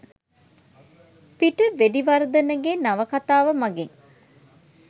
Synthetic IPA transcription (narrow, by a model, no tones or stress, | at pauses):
piʈəʋeɖiʋɐɾɐd̪ɐnɐɡenɐʋɐkɐt̪aːʋɐmɐɡeŋ